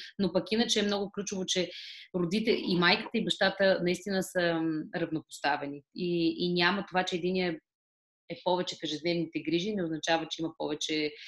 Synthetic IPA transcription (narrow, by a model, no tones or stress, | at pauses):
nopɐkinət͡ʃɛːmnɔɡʊklʲut͡ʃovot͡ʃɛɾod̪it̪ɛimajkə̥t̪əibɐʃt̪at̪ənɐist̪inəsəɾɐvnopo̥st̪avɛniiinʲamət̪ovat͡ʃɛːd̪iniɛ | ɛpɔvɛt͡ʃɛfɛʒɛd̪nɛvnit̪ɛɡɾiʒinɛoznɐt͡ʃavət͡ʃɛimɐpɔ̰vɛt͡ʃɛ